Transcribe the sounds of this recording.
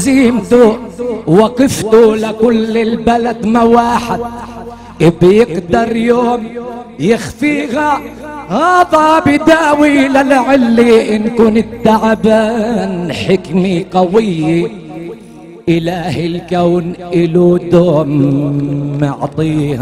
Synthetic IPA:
ziːmt̪ʊwɑqɪft̪ʊlakʊlːɪlbalad̪mawaːħɪd̪̚ | ɪbjɪɡd̪ɑɾˤjoːm | jɪxfiːha | haːðˤabɪd̪aːwilalʕɪlːiʔɪnkuːnɪd̪ːaʕabaːnħɪkmiqɑwɪjːi | ʔɪlahɪlkawnʔɪlud̪oːm | ɪʕt̪ˤiːha

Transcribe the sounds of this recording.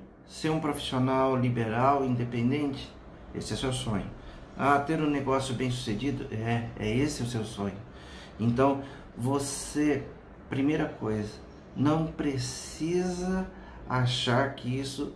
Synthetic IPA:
seɾũpɾofi̥sionawlibeɾawĩnd̪epẽnd̪ẽnt͡ʃɪ̥ | ḛsɪɛsewsõɲʊ̰ | at̪eɾũneɡɔsjʊbẽj̃s̬u̥sed͡ʒid̪ʊ̰ʔɛɛ̰esɪʊsewsõɲʊ | ẽnt̪ɐ̃w̃ | vose | pɾimejɾɐkojzɐ | nɐ̃w̃pɾesizɐ | aʃaɾkɪisʊ

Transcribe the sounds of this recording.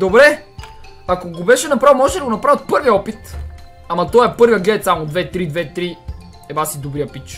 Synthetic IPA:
d̪obɾɛ | akoɡobɛʃɛnɐpɾavˠmɔʒɛt̪ɛd̪ɐɡonɐpɾavʲət̪̚pɤɾviəɔpit̪ | amɐt̪ɔɛpɤɾvjəɡlɛɛt̪samod̪vɛt̪ɾid̪vɛt̪ɾi | ɛvasid̪obɾiɐpit͡ʃ

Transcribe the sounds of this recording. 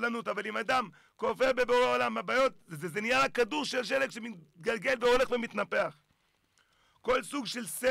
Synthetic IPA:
lanutavalimad̪am | kofe̞ʁbe̞boʁeaolamabajo̞t̪̚zezenijalakaduʁʃelʃelekʃemiɡalɡe̞lveo̞le̞χve̞mit̪nape̞aχ | ko̞lsuɡʃe̞lse

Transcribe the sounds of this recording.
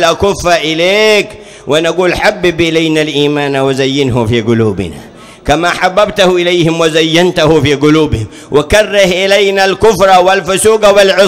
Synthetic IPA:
lʔakʊfːaʔɪleːk | wɪnaɡuːlħabːɪbʔɪlajnalʔiːmaːnawazajːɪnɦʊfiːɡʊluːbɪ̰na̰ | kamaːħabːabt̪ahuʔɪlajhɪmwazajːant̪ahufiːɡʊluːbɪhɪm | wʔakarːɪhʔɪlajnalkʊfɾˤɑwɪlfʊsuːɡawɪlʕʊ

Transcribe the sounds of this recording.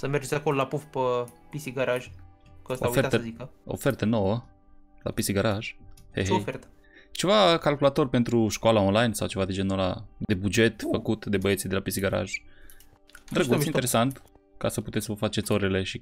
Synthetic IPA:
səmerd͡ʒeakololapufpəpisiɡaɾaʒkəsoaet̪əzikəo̰fe̞rt̪ənowə | la̰pisiɡaɾaʒheɦeojfert̪ə̥ | t͡ʃe̞vakalkulat̪o̞rʲpe̞nt̪ɾuʃkoalaonlajnsawt͡ʃe̞vad̪ed͡ʒenola̰d̪e̞bud͡ʒe̞t̪fəkut̪d̪e̞bəjet̪sid̪e̞lapisiɡaɾa̰ʒ | d̪ɾəɡuieɾesant̪kasəput̪esʲsvəfat͡ʃe̞t̪so̞ɾele̞ʃi

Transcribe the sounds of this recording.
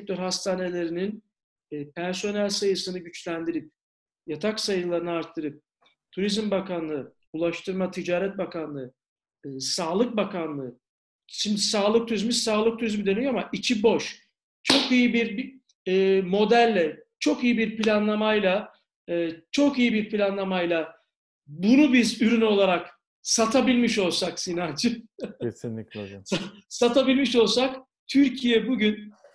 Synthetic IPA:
ɛk̚t̪ʰøɾhast̪ʰaːne̞lʲe̞ɾininː | pʰɛnso̞nælʲsajɯsɯnɯɟyt͡ʃlʲænd̪iɾip̚ | jat̪ʰaksajɯlˠaɾɯnɯaɾt̪ʰːɯɾɯp̚ | t̪ʰuɾizmbakanlˠɯ | ulˠaʃt̪ʰɯɾmat̪ʰid͡ʒaːɾɛt̪̚bakanlˠɯɯ | saːlˠɯk̚bakʰanlˠɯː | ʃimd̪isaːlˠɯk̚t̪ʰuɾizmizsaːlˠɯk̚t̪ʰuɾizmid̪ø̞nyjoamaʔit͡ʃʰibo̞ʃ | t͡ʃʰo̞kijibiɾː | mo̞d̪ælʲːɛt͡ʃʰo̞kijibiɾpilʲanlˠamajlˠa | ɯːt͡ʃʰo̞kijibiɾpʰilʲanlˠamajlˠa | bunubizyɾyno̞lˠaɾak | sat̪ʰabilʲmiʃo̞lˠsaksinat͡ʃʰɯesinʲikzsa | sat̪ʰabilʲmiʃo̞lˠsak | t̪ʰyɾcʰijɛbuɟyn

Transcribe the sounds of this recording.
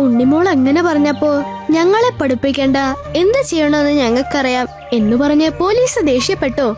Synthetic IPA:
uɳɖimoːɭeŋːɐne̞pɐrɐɲːɐpːo̞ːɭɲɐŋːɐɭe̞pːɐɽupːikʲːe̞ːɳɖɐe̞nd̪ɨt͡ɕejːɐɳɐenːɨɲɐŋːɐɭkɨɐrijaːm | e̞nːupɐrɐɲːɨpo̞ːliːsɨd̪e̞ːɕjɐpːe̞ʈːoː

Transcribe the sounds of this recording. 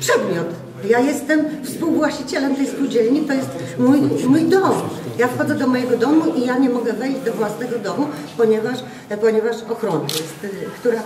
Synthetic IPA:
pʂɛd̪mʲjɔt̪ | jajɛst̪ɛmfspuwvwaɕt͡ɕit͡ɕɛlɛmt̪ɛjspuwd͡ʑɛlɲit̪ɔjɛst̪ | mujmujd̪ɔmjafxɔd̪zɛd̪ɔmɔjɛɡɔd̪ɔmuʔijaɲɛmɔɡɛvɛjʑd͡ʑd̪ɔvwasnɛɡɔd̪ɔmupɔɲɛvaʂ | pɔɲɛvaʂɔxɾɔnajɛst̪kt̪uɾa

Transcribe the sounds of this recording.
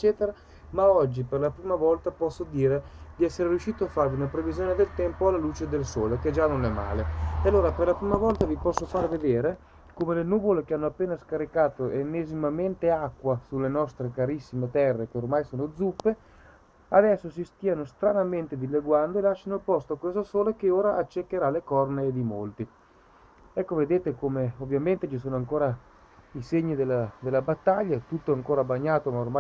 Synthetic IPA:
et͡ʃːɛːt̪eɾa | maɔd͡ʒːiperlapɾiːmavɔlt̪apɔsːod̪iːɾed̪iɛsːeɾerjuʃːiːt̪oafːarviunapɾevizjoːned̪elt̪ɛmpoalːaluːt͡ʃed̪elsoːleked͡ʒanːonɛmːa̰ːleealːoːɾaperlapɾiːmavɔlt̪avipɔsːofaɾved̪eːɾe | komelenuːvolekeanːoapːeːnaskaɾikaːt̪oʔenːezimament̪eakːwasulːenɔst̪ɾekaɾisːimet̪ɛrːekeormajsoːnod̪zupːe | ad̪ɛsːos̬ist̪iːanost̪ɾanament̪ed̪ilːeɡwand̪oelaʃːanolpɔst̪oakwesosoːlek̟eoːɾaʔat͡ʃːekːeɾalekɔrneːd̪imolt̪i | ɛkːoved̪eːt̪ekomeovːjament̪et͡ʃis̬oːnoaŋkoːɾa | iseɲːid̪elːad̪elːabat̪ːaʎːat̪ut̪ːoaŋkoːɾabaɲːaːt̪omaorma

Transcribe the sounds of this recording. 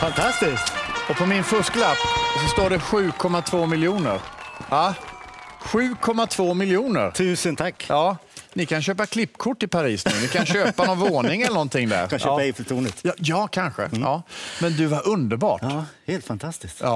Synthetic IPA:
fant̪ʰast̪ɪst̪ɔpʰɔmɪnfɵʂklapːsɔst̪oːɖɛɧʉ̟ːkʰɔmːat̪ʰvoːmɪljuːnə̰ɾa | ɧʉ̟ːkʰɔmːat̪ʰvoːmɪljuːnə̰ɾt̪ʰʉ̟ːsənt̪ʰakːʔɑːnɪkanɕøːpakʰlɪpːkʰʊʈːɪpʰaɾiːsnʉ̟ːnɪkʰanɕøːpanɔnvoːnɪŋɛlənɔnt̪ʰɪŋːd̪æ̰ɾaːaɛfət̪ʰuːnət̪ːjɑːkʰanɧə̰ɑːmɛnd̪ɵvaɾʔɵnd̪əɾbɑ̰ːʈːheːlt̪fant̪ʰast̪ɪst̪ɑ̰ː

